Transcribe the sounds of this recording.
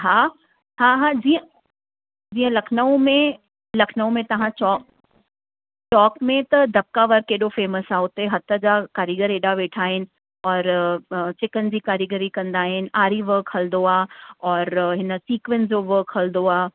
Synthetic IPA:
ɦaː | ɦaɦad͡ʑiːə̃ | d͡ʑd͡ʑiːə̃lɐkʰnəõmẽ | lɐkʰnəõmẽt̪ɐʋ̤ãt͡ʃɔːk̚ | t͡ʃɔːkmẽt̪ɐd̪ʱɐp̚kaʋɐɾkːeːɗofeːməsaʊt̪eɦɐt̪əd͡ʑakaːɾiɡəɾeːɗaʋeːʈʰaːɦɪnɪ̆ | ɔːɾt͡ɕɪkənɪ̆d͡ʑiːkaːɾiɡəɾikɐ̃nd̪aːɦɪnɪ̆aːɾiʋəɾkʰhɐld̪oaːɔːɾɦɪnə̆siːkʋənsd͡ʑoʋəɾkɦɐld̪oaː

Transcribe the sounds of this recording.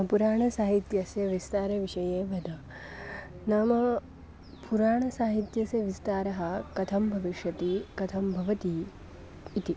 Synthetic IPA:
puɾaːɳɐsaːɦit̪jɐsjɐʋist̪aːɾɐʋiʂɐjeːʋɐd̪ʱɐ | naːmɐ | puɾaːɳɐsaːɦit̪jɐsjɐʋist̪aːɾɐɦɐ̆kɐt̪ʰɐmbʱɐʋiʂjɐt̪ikɐt̪ʰɐmbʱɐʋɐt̪iː | t̪i

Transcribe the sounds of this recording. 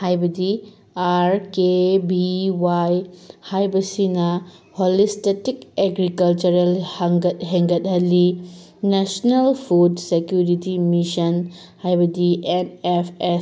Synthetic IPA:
hajbɐdi | aɾkebiwajhajbɐsinɐholistetikeɡɾikɐlt͡ʃɐɾelhɐŋɡɐt̚ɦeŋɡɐt̚ɦɐlinesnelpʰudsekjuɾitimisɐn | hajbɐdiʔenepʰes

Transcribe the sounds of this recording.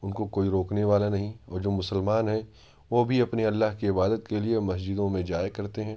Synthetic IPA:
ʊnkokoːiɾoːkneʋaːlanɐɦĩɔːɾd͡ʒoːmʊsəlmaːnɦɛ̃ | ʋobʱiɐpniɐlːaɦkiɪbaːd̪ət̪keliemɐs̬d͡ʒɪd̪õmẽd͡ʒaːjkɐɾt̪eɦɛ̃ː

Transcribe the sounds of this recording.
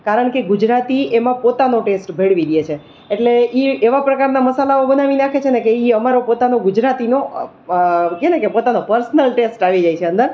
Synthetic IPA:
kaɾəɳkeɡʊd͡ʒɾat̪iemãpot̪anoʈesʈbʱeɭʋiɾiet͡ʃʰe | eʈleieʋapɾəkaɾnaməsalaobənaʋinakʰet͡ʃʰenekeiəmaɾopot̪anoɡʊd͡ʒɾat̪ino | kenekepot̪anopəɾsnəlʈesʈaʋid͡ʒajt͡ʃʰeə̃nd̪əɾ

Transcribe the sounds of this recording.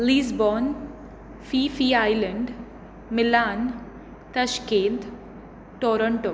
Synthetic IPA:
liːzbɔːn | fiːfiːaːjləɳɖ | mɪlaːn | t̪ɐʃkẽːnt̪ | ʈɔːɾəɳʈo

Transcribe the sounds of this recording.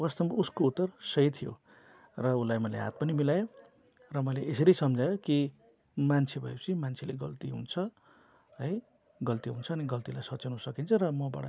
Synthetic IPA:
wʌst̪ʌmuskout̪ːʌrsʌjt̪ʰijo̰ | rʌulajmʌlḛɦa̰t̪̚pʌnimilajo | rʌmʌleʔesʌɾisʌmd͡zʱajoki | mant͡sʰebʱʌjet͡sʰimant͡sʰeleɡʌ̰lt̪iɦṵnt͡sʰʌ | ɦʌj | ɡʌlt̪iɦunt͡sʰʌːniɡʌlt̪ilajsʌt͡sanusʌkint͡sʰʌɾʌmʌba̰ɽʌ̰

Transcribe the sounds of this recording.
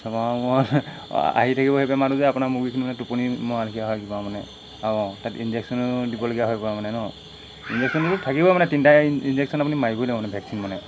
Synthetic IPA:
sɔmamɔ̰ | a̰ɦitʰakibɔɦepɛmaɾuzɛapunamuɡikʰinimanɛtupunimɔɦalikʰijaɦɔjkibamanɛ | aɔ̃tatinzeksɔnʊdibɔloɡiaɦɔjkɔɹamanɛnɔ | inzek̚sʰɔnutʊtʰakibɔmanɛtintainzek̚sɔnapunimaɹibɔiloɡɔmanɛbʱjaksinmanɛ

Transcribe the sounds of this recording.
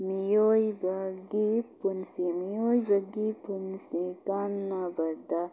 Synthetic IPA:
mijoːjbɐɡipunsĩmijoːjibɐɡipunsĩkaːnːabɐɾd̪a

